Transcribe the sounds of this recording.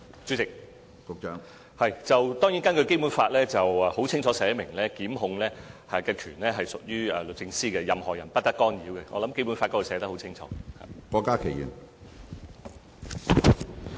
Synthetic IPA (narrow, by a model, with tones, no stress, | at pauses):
t͡sy˨˥t͡sɪ˨k̚ | kʊ˨˧k̚t͡ʃœː˧˥ŋ | hɐ˨jt͡sɐ˨wt̪ɔː˥ŋji˨˥nŋkɐ˥nkɵ˧ɥke˥jpuː˨˥nfaː˧t̚lɛː˥t͡sɐ˨wɐ˨˩ho˨˥wt͡sʰɪ˥ŋt͡ʃʰɔː˨˥sɛː˨˧˥mɪ˨˩ŋlɛː˥kiː˨˥mɦʊ˨˧ŋlɛː˥hɐ˨kɛː˧kʰyː˨˩nlɛː˥ɦɐ˨jsʊ˨k̚jyː˥ɛ˨˩lɵ˨t̚t͡sɪ˧ŋsiː˥kɛ˧jɐ˨mhɔː˨˩jɐ˨˩npɐ˥t̚t̪ɐ˥kːɔː˥njiː˨˥wkɛ˧ŋɔ̰ː˨˧lɐ˨˦˥mke˥jpu˨˥nfaː˧tk̪ːɔː˥o˨˧˩sɛː˨˧˥t̪ɐ˥khwt͡sʰɪ˥ŋt͡ʃʰɔ̰ː˨˥ha̰ː˨kɔː˧kːaː˥kʰe˨˩jḭː˨˩n